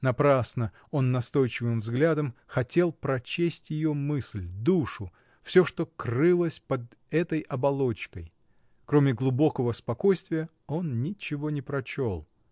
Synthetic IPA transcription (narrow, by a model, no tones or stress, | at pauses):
nɐpɾasnə | o̞nːɐst̪o̞jt͡ɕɪvɨmvzɡlʲad̪əmxɐtʲe̞lˠpɾɐt͡ɕesʲtʲjɪjo̞mɨslʲd̪uʂʊ | fsʲo̞ʂt̪o̞krɨlˠəsʲpəd̪ | ɛt̪əjʔɐbɐlˠo̞t͡ɕkəj | kɾomʲɪɡlˠʊbo̞kəvəspɐko̞jst̪vʲɪjə | o̞nnʲɪt͡ɕɪvo̞nʲɪpɾɐt͡ɕo̞lˠ